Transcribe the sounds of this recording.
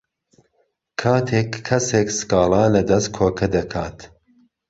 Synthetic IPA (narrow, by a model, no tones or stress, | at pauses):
kʰaːt̪ʰeːkʰːɐseːksɨ̥kɑːlˠɑːlɐd̪ɐst̪̚kʰoːkʰɐd̪ɐkʰaːt̪